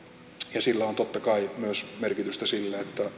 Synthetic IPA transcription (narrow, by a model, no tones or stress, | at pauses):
jɑsilːæont̪ot̪ːɑkɑimyøsmerkit̪yst̪æsilːæet̪ːæ